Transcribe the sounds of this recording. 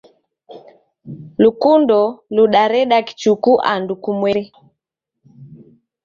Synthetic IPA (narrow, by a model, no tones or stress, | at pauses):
lukundɔluɗaɾɛɗaki̥t͡ʃukuʔa̰ndukumwɛɾɛ